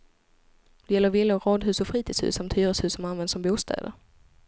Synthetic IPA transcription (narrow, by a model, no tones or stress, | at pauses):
d̪ɛjɛlːəɾvɪlːʊɾɑːd̪ɦʉ̟ːsɔfɾiːt̪ʰiːdshʉ̟ːsamt̪ʰyːɾəshʉ̟ːsɔmanvɛnd̪sɔmbuːst̪ʰɛ̰ːd̪ə̰ɾ